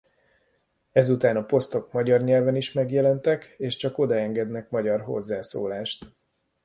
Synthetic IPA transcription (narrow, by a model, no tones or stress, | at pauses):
ɛzut̪aːnɒpo̞st̪o̞kmɒɟɒrɲɛlvɛniʃmɛɡjɛlɛnt̪ɛkeːʃt͡ʃɒko̞d̪ɒɛŋɡɛd̪nɛkmɒɟɒrɦo̞̰zːaːso̰ːlaːʃt̪